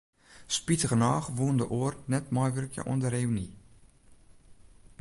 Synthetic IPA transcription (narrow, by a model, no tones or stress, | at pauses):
spitəɣənaːxʋuəndəʔoərnɛtmɔjʋərkjə̰ʔo̰əndəɾeyni